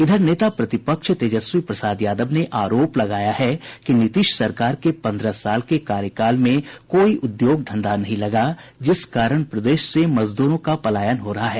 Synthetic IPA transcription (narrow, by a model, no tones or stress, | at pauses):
ɪd̪ʱəɾneːt̪apɾɐt̪ɪpəkʃt̪eːd͡ʒəswipɾɐsaːd̪jaːd̪əbneʔaːɾoːplɐɡaːjaɦɛkinɪt̪ɪʃsɐɾkaːɾkepɐ̃nd̪ɾəsaːlkekaːɾjəkaːlmẽkoːiʔʊd̪joːɡ̚d̪ʱɐ̃nd̪anɐɦĩlɐɡad͡ʒɪskaːɾəɽ̃pɾɐd̪eːʃsemɐzd̪uːɾõkapɐlaːjənɦoːɾɐɦaɦɛː